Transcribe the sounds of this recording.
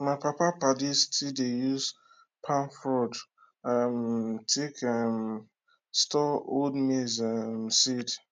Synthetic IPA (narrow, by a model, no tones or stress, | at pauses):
maɪpapapadistʰidejuz | pʰãnfɾɔd | amtʰekam | stɔo̰dmezamsid